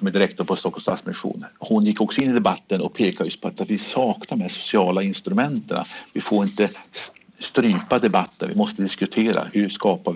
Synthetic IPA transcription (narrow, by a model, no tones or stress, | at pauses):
ɔmɛd̪ɪɾɛkt̪ɔɾpʰɔst̪ɔkːɔst̪a̰t̪smɪnɪɧṵːnhʊnjɪkːɔksɔɪnːɪd̪ɛbat̪ːənɔk̚pʰeːkad̪jɵst̪pʰɔat̪at̪vɪsɑːknaɾɔmæʂʊ̥sɪɑːlaɪnst̪ɾɵmɛnt̪əɳa̰vɪfoːɾɪnt̪ə | st̪ɾyːpad̪ɛbat̪ːə̰nvɪ̰mɔst̪əd̪ɪskɵt̪ʰeːɾa̰hɵʂkɑːpa